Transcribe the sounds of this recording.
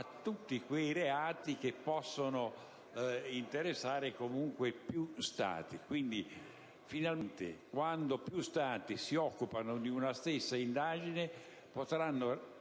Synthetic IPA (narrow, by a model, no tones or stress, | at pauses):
at̪ːut̪ːikwejreaːt̪ik̟epːɔsːono | int̪eɾesːaːɾekomuŋkwepjust̪a̰ːt̪ikwind̪i | finalmnt̪ḛkwand̪opjust̪aːt̪isiɔkːupanod̪iunast̪esːaind̪aːd͡ʒine | pot̪ɾanːo